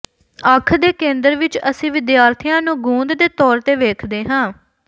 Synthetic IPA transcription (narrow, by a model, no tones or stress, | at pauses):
əkʰd̪eːkẽːnd̪əɾʋɪt͡ʃəsĩːʋɪd̪jaːɾt̪ʰijãːnũːɡũːnd̪d̪eːt̪ɔːɾt̪eːʋeːkʰd̪eːɦãː